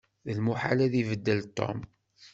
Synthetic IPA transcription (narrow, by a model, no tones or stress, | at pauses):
ðəlmuħa̰læðivəd̪ːəlt̪ˤːo̰m